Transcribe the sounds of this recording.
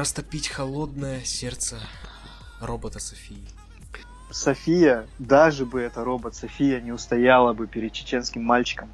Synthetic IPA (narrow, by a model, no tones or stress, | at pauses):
ɐst̪ɐpʲitʲxɐlˠo̞d̪nəjəsʲert̪sə | ro̞bət̪əsɐfʲijɪ | sɐfʲijəd̪aʐɨbɨɛt̪əɾo̞bət̪sɐfʲijənʲɪʊst̪ɐjalˠəbɨpʲɪɾʲɪd̪̚t͡ɕɪ̥t͡ɕe̞nskʲɪmːalʲt͡ɕɪ̥kəm